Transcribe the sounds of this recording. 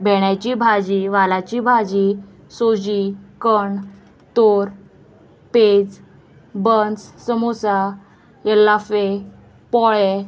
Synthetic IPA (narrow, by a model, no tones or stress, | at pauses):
bʱɛɽ̃jat͡ɕibʱad͡ʑiʋalat͡ɕibʱad͡ʑi | sod͡ʑikəɳ | t̪oɾ | ped͡z | bənssəmosa | jəlːafe | pɔɭɛ